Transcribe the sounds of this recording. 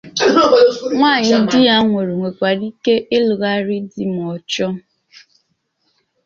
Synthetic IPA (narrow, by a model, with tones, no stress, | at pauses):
ŋʷaː˦˨ɲɪ˦dɪ˦a˦ŋʷe˨ɾe˨ŋʷe˨kʷa˨ɾi˦ke˦ʔe˦lu˨ɣa˦ɾɪ˦di˦m˨ɔ˨t͡ʃɔ˦